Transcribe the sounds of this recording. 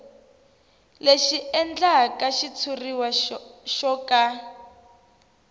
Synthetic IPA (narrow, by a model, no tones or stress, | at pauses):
leʃiɛnd͡ɮakaʃit͡sʰuriwaʃɔka